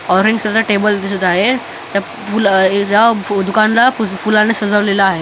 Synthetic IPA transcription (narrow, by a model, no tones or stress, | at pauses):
ɔɾẽɲd͡ʑkɾət̪aʈebəld̪isət̪aɦe | t̪ja | fuljad̪ukanlafufulanesəd͡zəʋlelaːɦe